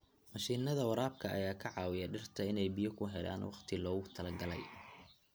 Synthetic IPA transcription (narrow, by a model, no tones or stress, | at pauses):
mɐʃiːnːɐðɐwɑɾaːbkʰɐʔɐ̰jaːkʰɐʕɑːwɪjɐɖɪrt̪ʰɐɪnɛjbɪjɔkʰʊɦɛla̰ːnwɑqt̪ʰɪlɔːɣʊt̪ʰɐlɐɡɐlɛ̰j